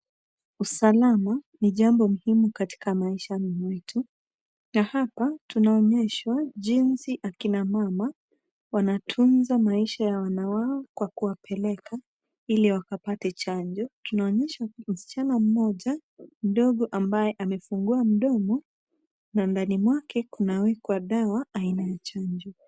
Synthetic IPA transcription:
usalamaniʄambɔmuhimukati̥kamaiʃamimwitʰu | nahapatunaɔɲɛʃwaʄinsiʔakinamama | wanatʰunzamaiʃajawanawaɔkwakuwapʰɛlɛkʰa | iliwakapatɛt͡ʃaɲd͡ʒɔtunaɔɲɛʃam̩si̥t͡ʃanam̩mɔʄam̩ɗɔɠɔʔambajɛʔamɛfuŋɡuam̩ɗɔmɔ | nandanimwakʰɛkunawɛkwaɗawaːinajat͡ʃaɲd͡ʒɔ

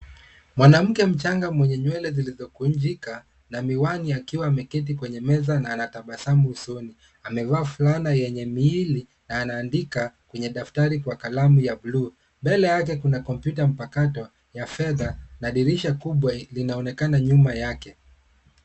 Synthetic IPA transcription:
mwanam̩kɛm̩t͡ʃaŋɡamwɛɲɛɲwɛlɛzilizɔkuɲd͡ʒika | namiwaniakiwaːmɛkɛt̬ikwɛɲɛmɛzanaːnataɓasamuːsɔni | amɛvaːfulanajɛɲɛmiili | naːnaːndikakwɛɲɛɗaftaɾikwakalamujablu | mbɛlɛjak̬ɛkunakɔmpjutam̩pakatɔ | jafɛðanaɗiɾiʃakuɓwalinaɔnɛkanaɲumajakɛ

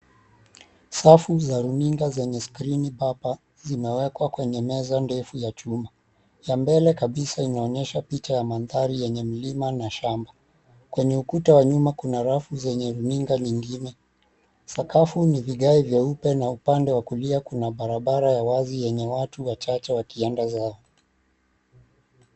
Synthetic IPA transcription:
safuzaɾuniŋɡazɛɲɛskɾinibapa | zimɛwɛkwakwɛɲɛmɛzandɛfujat͡ʃuma | jambɛlɛkaɓisainaɔɲɛʃapit͡ʃajamanðaɾijɛɲɛm̩limanaʃamba | kwɛɲɛukutawaɲumakunaɾafuzɛɲɛɾuniŋɡaɲiŋɡinɛ | sakafuniviɠaivjaupɛnaupandɛwakuliakunaɓaɾaɓaɾajawazijɛɲɛwatuwat͡ʃat͡ʃɛwakiɛndazaɔ

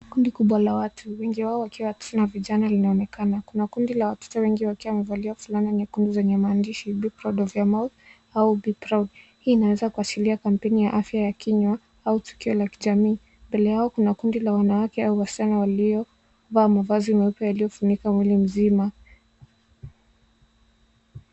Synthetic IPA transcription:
kundikuɓwalawatʰuwɛŋɡiwaɔwakiwawatɔ̥tɔnaviʄanalinaɔnɛkʰanakunakundilawatɔ̥tɔwɛŋɡiwakiwamɛvaliwafulaninikundizɛɲɛmaːndiʃibipɾɔdɔvjamaθ | aubipɾadhiːnawɛzakuat͡ʃiliakam̩pɛnijaʔafjajakiɲwa | autu̥kiɔlakiʄamiː | mbɛlɛjaɔkunakundilawanawakɛauwasi̥t͡ʃanɔwaliɔ | vaːmavazimɛupjɔjalijɔfunikamwilim̩zima

